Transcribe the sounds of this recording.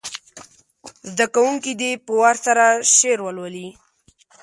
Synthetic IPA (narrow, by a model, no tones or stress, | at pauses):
zd̪akawuŋkid̪epəwaɾsaɾaʃeɾwəlwali